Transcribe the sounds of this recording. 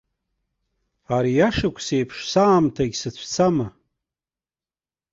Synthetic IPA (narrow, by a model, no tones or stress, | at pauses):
aɾijaʂɨkʷʰsejpʰʂsaːmtʰaɡʲsɨt͡ɕʷʰt͡sʰama